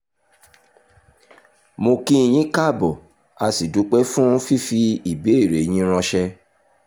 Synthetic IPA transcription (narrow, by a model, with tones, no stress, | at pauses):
mo˧kĩ˦i˨j̃ĩ˨˦ka˦˨bɔ˨ | a˧si˨du˨˦k͡pe˦fũ˦fi˦fi˧i˨be˨˦e˦˨ɾe˨j̃ĩ˦ɾ̃ɔ̃˧ʃɛ˧